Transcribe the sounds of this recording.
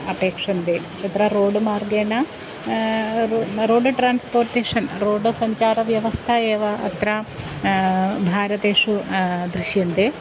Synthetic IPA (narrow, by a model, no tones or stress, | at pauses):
ɐpeːkʂɐnd̪eː | t͡ʃɐt̪ɾɐɾoːɖɨmaːrɡeːnɐ | ɾoːɖɨʈɾaːnspoːrʈeːʂɐnɾoːɖɨsɐɲt͡ʃaːɾɐʋjɐʋɐst̪ʰɐeːʋɐɐ̰t̪ɾɐ | bʱaːɾɐt̪eːʂud̪ɾiʃjɐnd̪e